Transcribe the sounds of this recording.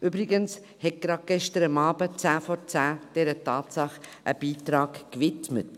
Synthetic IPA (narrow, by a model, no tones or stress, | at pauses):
ʔybɾɪɡəns | hɛt̚ɡ̥ɾɑd̚ɡ̥ɛʃtəɾəmɑːbət͡sæːfɔɾt͡sæːd̥ɛɾətɑːtsɑχʔə̰b̥iːtɾɑːkkvɪtmə̰t